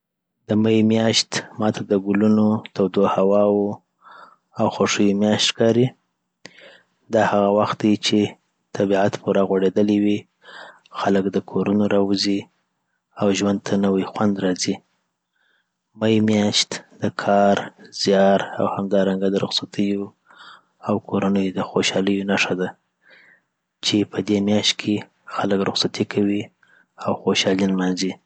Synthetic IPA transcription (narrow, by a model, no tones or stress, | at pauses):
d̪əmajimjɑʃt̪mɑt̪ʰad̪əɡulunot̪awd̪ohawɑwu | awxoʂəjimjɑʃt̪kɑɾi | d̪ɑhaɣawaxt̪̚d̪at͡ʃe | t̪ʰabiʕat̪puɾaɣwaɽed̪əliwi | xaləkd̪əkʰoɾunoɾɑwuzi | awʒwand̪̚t̪ʰanəwajxwand̪ɾɑzi | majmjɑʃt̪d̪̥əkʰɑɾz̥jɑɾa̰whamd̪ɑɾaŋɡad̪əɾʊxsat̪ʰəjo | awkʰoɾanəjod̪əxoʃɑləjonaʂad̪a | t͡ʃepʰəd̪emjɑʃt̪̚kʰe | xaləkɾʊqsat̪ikʰawi | awxoʃɑlinmanzi